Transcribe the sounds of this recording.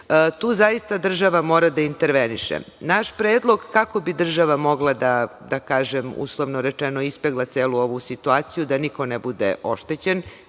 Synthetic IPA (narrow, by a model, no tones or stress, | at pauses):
ət̪uːzaist̪ad̪r̩ʒaʋamo̞ːɾad̪aint̪eɾʋeniʃḛnaʃpɾeːd̪lˠo̞ɡkako̞bid̪r̩ʒaʋamo̞ɡlˠad̪ad̪akaːʒemṵslˠoʋnoɾet͡ʃenoispeɡlˠat̪seːluo̞ʋusit̪uaːt̪sijud̪aniko̞nebud̪ḛʔo̞ʃt̪et͡ɕen